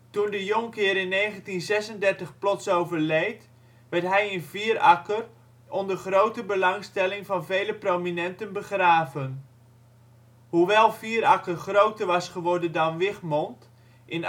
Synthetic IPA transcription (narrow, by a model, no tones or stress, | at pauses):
tundəjɔŋkɪːɾɪnːejχəntinzɛsəndɛrtəχplɔtsowvəɹlejt | ʋɛɹtɦɛjənviːɾɑkər | ɔndərχrowtəbəlɑŋstɛlɪŋvɑnvejləprowminɛntənbəχraːvən | huʋɛlˠviːəɾɑkərχrowtəɹʋɑsχəʋɔɹdəndɑnʋɪχmɔnt | ʔɪn